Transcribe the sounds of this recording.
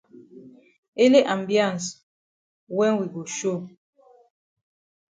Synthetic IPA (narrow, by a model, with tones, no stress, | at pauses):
e˦le˦ʔa˨mbjã˦˨ns | wɛ˦ŋwi˨ɡo˨ʃo˦˨